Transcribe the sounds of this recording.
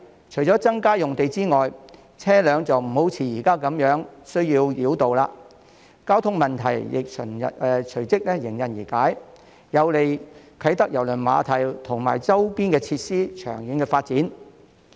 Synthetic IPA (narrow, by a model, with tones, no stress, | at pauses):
t͡ʃʰɵ˨˩t͡sɔː˨˥t͡sɐ˥ŋkaː˥jʊ˨ŋt̪e˨jt͡siː˥ŋɔː˨j | t͡sʰɛː˥lœː˨˧ŋt͡sɐ˨wm̩˨˩ho˨˥wt͡sʰiː˨˩jiː˨˩kaː˥kɐ˨˥mjœː˨˥ŋsɵ˥ɥjiː˧wji˨˥wt̪o˨wlaː˧ | kaː˥wt̪ʰʊ˥ŋmɐ˨nt̪ʰɐ˨˩jjɪ̰˨k̚t͡ʃʰɵ˨˩nɐ̰˨t͡ʃʰɵ˨˩ɥt͡sɪ˥k̚lɛ˥jɪ˨˩ŋjɐ˨njiː˨˩kaː˨˥j | jɐ˨˧wle˨˩jkʰɐ˨˥jt̪ɐ˥k̚jɐ˨˩wlɵ˨˩nma̰ː˨˧t̪ʰɐ˨˩jt̪ʰʊ˨˩ŋma̰ː˨˩jt͡sɐ˥wpiː˥nkɛː˧t͡sʰiː˧t̚siː˥t͡ʃʰœ̰ː˨˩ŋjɪ˨˥ŋkɛː˧faː˧t̚t͡siː˨˥n